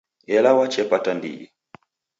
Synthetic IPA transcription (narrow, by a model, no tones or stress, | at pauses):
ɛlawat͡ʃɛpatandḭi